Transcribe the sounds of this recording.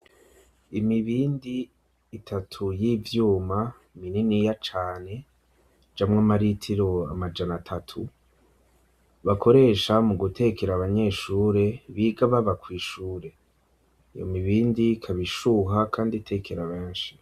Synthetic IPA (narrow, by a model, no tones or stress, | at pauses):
imiβiːndiː | tʰatʰujiːvjuːma | mininijat͡ʃaːne̞ | d͡ʒamŋamaɾitʰiɾo̞a̰mad͡ʒanatʰatʰu | βakʰo̞ɾe̞ːʃamuɡutʰe̞keɾaβaɲe̞ʃuːɾe̞βiɡaβaβakwiːʃuːɾe̞ | ijo̰miβiːndikʰaβiʃuɦakʰaːnditʰe̞kʰeɾaβe̞ːnʃi̥